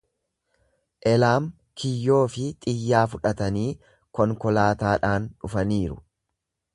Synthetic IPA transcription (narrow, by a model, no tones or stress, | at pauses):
ʔɛlaːm | kʰɪjːo̞ːfɪt̪ʼɪjːaːfʊᶑɐt̪ɐniː | kɔŋkɔlaːt̪aːᶑaːnᶑʊfɐniːɾʊ̰